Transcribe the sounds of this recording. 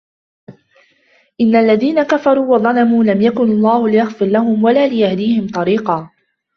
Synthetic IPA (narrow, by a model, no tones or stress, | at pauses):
ʔɪnːaʔlːaðiːnakafɑɾˤuːwɑðˤɑlɑmuːlamjakʊnɑlˤːɑːhʊlɪjɑɣfɨɾlaɦʊmwalaːlɪjahd̪iːhɪmt̪ˤɑɾiːqɑː